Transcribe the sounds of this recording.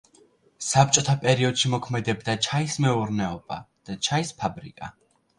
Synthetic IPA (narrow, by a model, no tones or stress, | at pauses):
sap̚t͡ʃʼɔt̪ʰapʼɛɾiɔd̪̥ʃimɔkʰmɛd̪ɛbd̪at͡ʃʰaismɛuɾnɛɔb̥a̰d̪̥at͡ʃʰaispʰabɾḭkʼa